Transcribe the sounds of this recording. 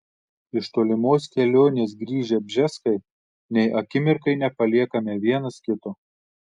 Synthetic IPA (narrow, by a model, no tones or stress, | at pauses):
ɪʃt̪oːlʲɪmoːskʲɛlʲoːnʲeːs̬ɡɾʲiːʒʲɛbʲʒʲɛskɐɪ | nʲɛɪʔɐkʲɪmʲɪɾkɐɪnʲɛpɐlʲiɛkɐmʲɛʋʲiɛnɐskʲɪt̪oː